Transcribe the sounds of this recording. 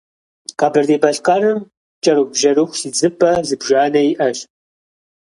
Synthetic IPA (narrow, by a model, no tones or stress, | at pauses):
qʼɑbɨrd̪eːbɐɬqʼɐrɨm | t͡ʃʼɐɾubʒɐɾuxʷsid͡zɨpʼːɐzɨbʒaːnɐjʔɐʃ